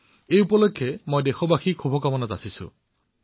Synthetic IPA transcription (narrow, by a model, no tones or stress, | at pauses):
ejupɔlokʰːjemojdexɔbaxikʰubʱɔkamɔnatasisṵ